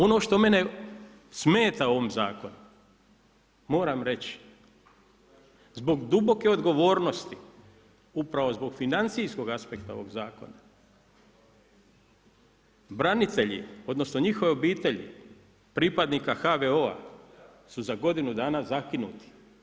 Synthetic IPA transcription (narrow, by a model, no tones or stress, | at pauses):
o̞no̞ʃt̪o̞me̞ne̞ | sme̞ːt̪aoʋomzaːko̞nu | mo̞ːɾamɾe̞t͡ɕ | zbo̞ɡd̪ubo̞ke̞o̞d̪ɡo̞ʋo̞ːɾno̞st̪i | upɾaʋo̞zbo̞ɡfinant̪sijsko̞ɡaspe̞kt̪ao̞ʋo̞ɡzaːko̞̰na | bɾanit̪e̞ʎḭo̞d̪nosno̞ɲixo̞ʋeo̞biːt̪e̞ʎḭ | pɾipad̪niːkaxaʋeo̞a̰ | suzaɡo̞d̪inud̪aːnazakinṵt̪i̥